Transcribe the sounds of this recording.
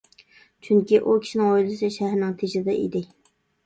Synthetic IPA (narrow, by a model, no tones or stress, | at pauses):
t͡ʃʰyŋkʲiʔukʲʰi̥ʃinɪŋojlˠɨsɨʃæɦɾnɪŋt̪ʰeʃɪd̪ɛʔḭd̪ɪ